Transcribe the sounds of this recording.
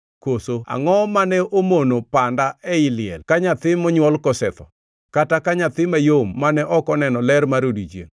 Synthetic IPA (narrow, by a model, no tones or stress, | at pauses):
kosoa̰ŋɔmanɛomonopandaɛɪlɪɛ̰lkaɲat̪ɪmɔɲwɔlkɔsɛt̪ɔ̰ | katakaɲat̪ɪmajomːanɛʔɔkɔnɛnɔlɛrmaɾodit͡ʃjḛŋ